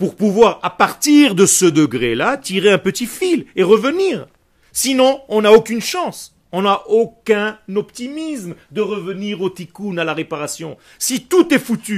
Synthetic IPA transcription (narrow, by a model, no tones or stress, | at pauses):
puʁpuvwaʁapaʁt̪iʁd̪əsəd̪əɡʁelat̪iʁeɛ̃pət̪ifileʁəvəniːʁ | sinɔ̃ɔ̃naokʲynʃɑ̃s | ɔ̃naʔokʲɛ̃nɔpt̪imismd̪əʁəvəniʁot̪ikunalaʁepaʁasjɔ̃ | sit̪ut̪ɛfut̪y